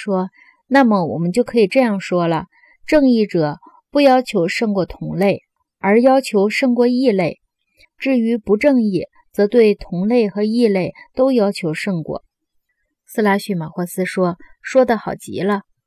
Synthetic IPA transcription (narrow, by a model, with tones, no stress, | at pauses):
ʂwɔ˥ | na˥˩mə˩wɔ̰˨˩mə˦nt͡ɕjo˥˩ʊkʰɤ˧˥i˨˩ʈ͡ʂɤ˥˧jɑ˥˩ŋʂwɔ˥lə̰˨ | ʈ͡ʂɤ˥˧ŋi˥˩ʈ͡ʂɤ˨˩ | pu˥˩jɑ˥ʊt͡ɕʰjo˧˥ʊʂɤ˥˧ŋkwɔ˥˩t̪ʰʊ˧˥ŋle˥˩ɪ | ə˞˧˥jɑ˥ʊt͡ɕʰjo˧˥ʊʂɤ˥˧ŋkwɔ˥˧i˥˧le˥˩ɪ | ʈ͡ʂɻ̩˥˩y˧˥pu˧˥ʈ͡ʂɤ˥˧ŋi˥˩ | t͡sɤ˧˥t̪we˥˩ɪt̪ʰʊ˧˥ŋle˥˩ɪxɤ˧˥i˥˧le˥˩ɪt̪o˥ʊjɑ˥ʊt͡ɕʰjo˧˥ʊʂɤ˥˧ŋkwɔ̰˥˩ | sɹ̩˥la˧˥ɕy˥˩ma˨˩xwa˥sɹ̩˥ʂwɔ˥ʂwɔ˥d̪ə˨xɑ˨˩ʊt͡ɕḭ˧˥lə˧